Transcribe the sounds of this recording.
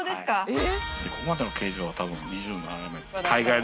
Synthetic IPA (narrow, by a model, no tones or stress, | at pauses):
d̪esskad̪ekokomad̪e̞nokʰe̞ːʑoːβat̪abɯ̟̃nɲiʑɨːnoaɾamet̪kʰaiɡai